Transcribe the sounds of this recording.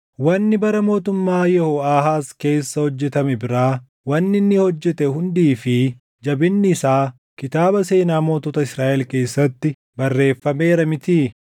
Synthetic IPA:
wɐnːɪbɐɾɐmo̞ːt̪ʊmːaːjɛhoaːɦaːske̞ːsːɐhɔd͡ʒːɛt̪ɐmɛbɪɾaː | wɐnːɪnːɪhɔd͡ʒːɛt̪ɛhʊnd̪iːfɪ | d͡ʒɐbɪnːɪɪsaː | kɪt̪aːbɐse̞ːnaːmo̞ːt̪ɔt̪ɐɪsɾaːʔɛlke̞ːsːɐt̪ːɪ | bɐrːe̞ːfːɐme̞ːɾɐmɪt̪iː

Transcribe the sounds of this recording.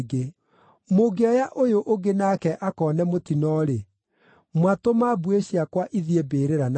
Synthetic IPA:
ɡe | moɡeɔjaʔojoʔoɡenakɛʔakɔːnɛmotinɔɾe | mwatomabueɕiakwaʔiðiebeːɾeɾan

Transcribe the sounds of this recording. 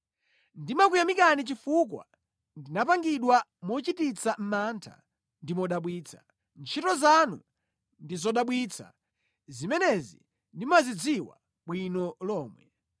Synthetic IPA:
ndimak̬ujamikanit͡ʃifuk̬wa̰ | ndinapaŋɡiɗwamɔt͡ʃitit͡sʰam̩mantʰa̰ | ndimɔɗaɓwiːt͡sʰḁ | nt͡ʃʰitɔzanu | ndizɔɗaɓwit͡sʰa̰ | zimɛnɛzḭ | ndimazid͡ziwa̰ | ɓwinɔlɔːmwɛ

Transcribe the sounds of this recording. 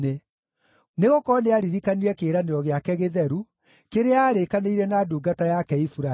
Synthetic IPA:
e | neɣokɔneaɾiɾikaniɾɛkeːɾaneɾɔɣeakɛɣeðɛɾu | keɾeaːɾekaneiɾɛnaːduɡatajakɛifuɾa

